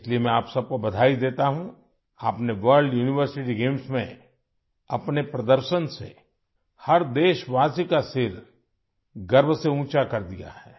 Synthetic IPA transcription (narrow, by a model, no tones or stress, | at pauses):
ɪsliemɛ̃aːpsɐb̚kobɐd̪ʱaːid̪eːt̪aɦũ | aːpneʋəɾɖjuːnɪʋəɾsɪʈiɡẽːmsmẽ | ɐpnepɾɐd̪əɾʃənsḛ | hɐɾd̪eːʃʋaːsikasɪɾ | ɡɐɾbseũːt͡ʃakɐɾd̪ija̰hɛː